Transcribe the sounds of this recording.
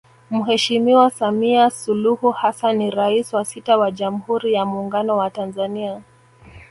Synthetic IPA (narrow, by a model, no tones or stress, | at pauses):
muɦɛʃimiwasamiasuluhuhasanːiɾaiswasitawaʄam̩huɾijamuːŋɡanɔwatanzania